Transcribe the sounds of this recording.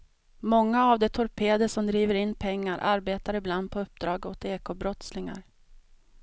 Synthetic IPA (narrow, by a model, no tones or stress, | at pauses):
mɔŋːaːvd̪ɛt̪ʰɔɾpʰeːad̪əsɔmd̪ɾiːvəɾɪnːpʰɛŋːaɾʔaɾbeːt̪aɾɪbland̪̚pʰɔɵp̚ːd̪ɾɑːɡot̪eːkoːbɾɔt̪slɪŋa̰ɾ